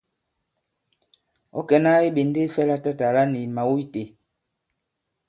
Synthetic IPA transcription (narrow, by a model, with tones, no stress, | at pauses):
ɔ̰˦kɛ˨na˦e˦ɓe˨nde˦fɛ˦la˦ta˦ta˨la˦ni˨ma˨wu˦i˦te˨